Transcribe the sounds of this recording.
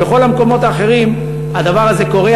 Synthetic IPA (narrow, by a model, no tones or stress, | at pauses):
eχo̞lameko̞mo̞t̪aːχe̞ʁim | ad̪avaʁaze̞ko̞ʁe